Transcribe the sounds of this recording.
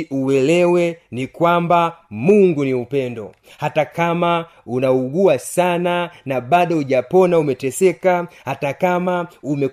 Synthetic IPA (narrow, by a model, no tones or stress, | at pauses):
uwɛlɛwɛnikwambamuŋɡuniupɛndɔ̰ | hatakama | unauɡuasananaɓaɗɔuʄapɔnaumɛtɛsɛkahatakamaumɛ